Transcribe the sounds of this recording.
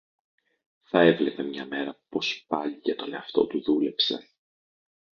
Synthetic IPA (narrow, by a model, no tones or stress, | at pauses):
θɐe̞vle̞pe̞mɲɐme̞ɾɐpo̞spɐʎicet̪o̞le̞ɐft̪o̞̰t̪uðule̞pse̞̰